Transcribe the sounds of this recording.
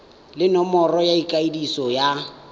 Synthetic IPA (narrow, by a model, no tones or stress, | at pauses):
lɪnɔmɔrɔjaikʼaidisɔja